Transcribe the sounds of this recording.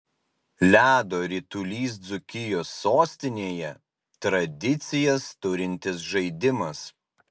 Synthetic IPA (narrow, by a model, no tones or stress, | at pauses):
lʲæːd̪oːɾʲit̪ulʲiːs̬d̪zʊkʲɪjoːsːoːsʲt̪ʲɪnʲeːjɛ | t̪ɾɐd̪ʲɪt̪sʲɪjɛst̪ʊɾʲɪnʲt̪ʲɪs̬ʒɐɪd̪ʲɪmɐs